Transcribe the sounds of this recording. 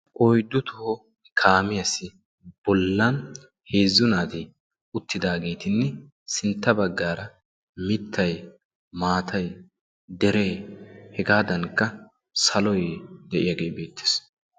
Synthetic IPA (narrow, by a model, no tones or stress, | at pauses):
ʔɔjd̪ːʊt̪ʊhɔ | kʰaːmɪjɐsɪ | b̥ɔlːɐn | he̞ːzːʊnaːt̪ɪ | ʊt̪ːɪd̪aːɡe̞ːt̪ɪnːɛ | sɪnt̪ːɐbɐɡːaːɾɐ | mɪt̪ʰːɐj | maːt̪ʰɐj | d̪ɛɾeːhɛɡaːd̪ɐnkːɐ | sɐlɔjd̪ɛʔɪ̰jɐɡe̞ːbe̞ːt̪ːɪ̥s